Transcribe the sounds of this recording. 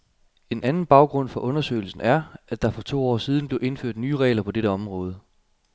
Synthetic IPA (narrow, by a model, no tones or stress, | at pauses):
e̝nænn̩b̥ɑ̈ʊɡ̥ʁɔ̽n̰fɒ̽ʔɔ̽nɐsø̰ɪl̩sn̩æɐæd̥ɑ̈fɒ̽t͡sʰo̝̰ːɒ̰ːsiːð̞ˠn̩b̥le̝ʊe̝nføɐ̰d̥nyːʁɛ̰ːlɐpʰɒ̽d̥eɾəɒ̽mʁɔ̽ːð̞ˠə